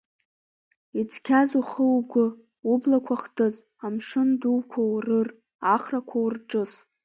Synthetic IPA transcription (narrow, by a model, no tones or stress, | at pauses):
it͡sʰkʲʰazuχəwɡʷʊ | ublakʷʰaχtʰɨt͡sʼ | amʂɨnduwkʷʰawrɨr | aχrakʷʰawurʈ͡ʂʼɨs